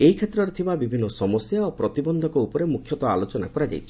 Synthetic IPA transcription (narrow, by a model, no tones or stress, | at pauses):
eɦikʰet̪ɾɔɾet̪ʰibabibʱinːɔsɔmɔsjaopɾɔt̪ibɔnd̪ʱɔkɔupɔɾemukʰjɔt̪ɔa̰lot͡ʃɔna̰kɔɾad͡ʒa̰jt͡ʃʰi̥